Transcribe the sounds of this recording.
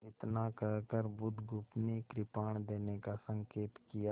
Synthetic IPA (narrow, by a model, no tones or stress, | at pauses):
ɪt̪nakəɦkəɾbʊd̪ɡʊpnekɾɪpaːɳ̃d̪eːnekasə̃ŋkeːt̪kijaː